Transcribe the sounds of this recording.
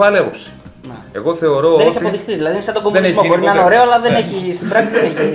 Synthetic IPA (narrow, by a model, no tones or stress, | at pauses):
ɐleosi̥ | n | e̞̰ɣo̞θe̞o̞ɾo̞enoetçiɐtpoðixθiðilɐðisɐt̪oɡomuenemoboɾiɐnoɾe̞oɐlɐðeneçist̪ibɾɐksiðeneç